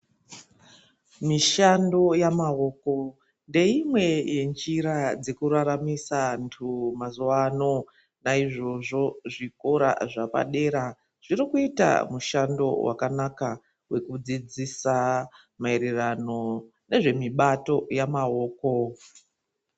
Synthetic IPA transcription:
miʃando̞jamaɦo̞ːko | nde̞imwe̞je̞nd͡ʒiɾad͡ze̞kuɾaɾamisantʰumazuano̞ | naiʐo̞ʐo̞ʐiko̞ɾa̰ʐapa̰ɗe̞ːɾa | ʐ̥irikuita̰muʃando̞̰wa̰kanaka | we̞kud͡zid͡zisa | maeɾirano̞ | ne̞ʐe̞miɓato̞jamaɦoːko̞

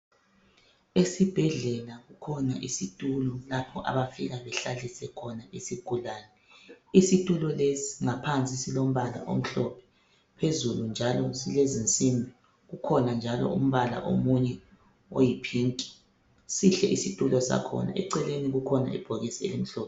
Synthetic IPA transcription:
esib̥ʱɛɮɛlaɣukʰɔnaʔisitʼulɔlapʰɔʔa̰βafiɣaβɛɬalisɛkʰɔnaisiɡ̥ʱulaːnɛ | isitʼulɔlesi̥ŋapʰant͡sʼisilom̩βala̰ʔo̰m̩ɬɔpʰɛ̥ | pʰezulund͡ʒʱalɔsilezint͡sʼimbʱi | ɣukʰɔnand͡ʒʱalɔ̰um̩βala̰ʔo̰muɲɛ | ojipʰiːŋtʼi̥ | siɬɛʔisitʼulɔsa̰kʰɔ̰na̰ʔɛǀɛleniɣukʰɔna̰ḭb̥ʱoɣisiḛlim̩ɬɔːpɛ

